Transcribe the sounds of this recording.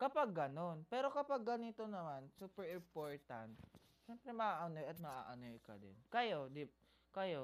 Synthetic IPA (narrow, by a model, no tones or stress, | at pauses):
kɐpaɡːɐno̞npɛɾo̞kɐpaɡ̚ːɐnit̪onɐmansupɛɹɪmpoɹt̪ant̪̚ | ʃɛmpɾɛmɐʔaːʔanojɐt̪̚mɐʔa̰ːʔanɛjkɐ̰d̪ɪ̰nkɐjod̪ɪp̚ | kɐjo